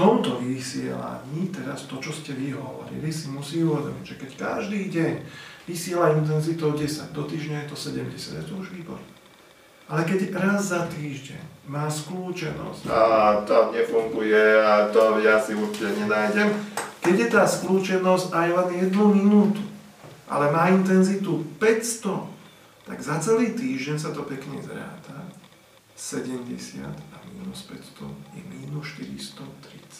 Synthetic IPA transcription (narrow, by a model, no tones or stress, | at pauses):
t̪ɔmt̪ɔʋisɪɛ̰la̰ɲiːt̪ɛɾa̰st̪ɔt͡ʃɔscɛʋiɦɔ̰ʋɔ̰ɾḭlisimusiːuʋɛd̪ɔmḭɟʒɛkɛcka̰ʒd̪iːɟɛɲʋisɪɛlaint̪̬ɛnzit̪ɔʊɟɛsa̰ɟd̪ɔt̪iːʒɲajɛt̪ɔsɛɟɛmɟɛsɪa̰d̪jɛt̪ɔuʒʋiːbɔ̰ɾ | ʔalɛkɛɟɾazːat̪iːʒɟɛ̰ɲmaːskluːt͡ʃɛnɔ̰scat̪amɲɛfuŋɡujɛat̪ɔjasiuɾt͡ʃicɛɲɛnaːjɟɛmkɛɟjɛt̪aːskluːt͡ʃɛnɔzcajlɛnjɛd̪numinuːt̪u̥ | ʔa̰lɛmaːint̪ɛnzit̪upɛcst̪ɔ | t̪a̰ɡzat͡sɛliːt̪iːʒɟɛɲsat̪ɔpɛkɲɛ̰zɾa̰ːt̪a | sɛɟɛmɟɛsɪa̰d̪amiːnuspɛcst̪ɔ̰jɛ̰miːnusʃt̪iɾḭst̪ɔt̪ɾit͡s